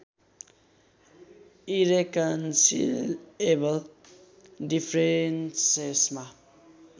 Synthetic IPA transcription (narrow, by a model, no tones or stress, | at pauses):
iɾekʌnsḭlebəl | dipʰɾensesma